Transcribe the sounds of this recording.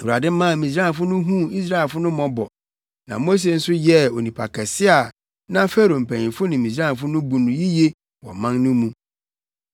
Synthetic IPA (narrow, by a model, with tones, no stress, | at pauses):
wu˨a˨dɪ˦mã˦˨mĩ˨sɾã˦˨fʊ˦nʊ̃˦ɦũ˦i˦s̬ɾa˦ɛ˨fʊ˦nʊ̃˦mɔ̃˦bɔ˨ | nã̰˨mo˦s̬e˨n̩˦sʊ˦jɛ˦o˨nĩ˨pʰa˨kʰɛ˨sɪ˦a˨ | nã˦fɛ˦ɾo˨m̩˨pʰæ̃˨ĩ˨fʊ˦nɪ̃˨mĩ˨d͡ʑɾã˦˨f̬ʊ˦nʊ̃˦bu˨nʊ̃˨ji˦je˦ | wɔ̰˨mã˦nnʊ̃˦mũ˦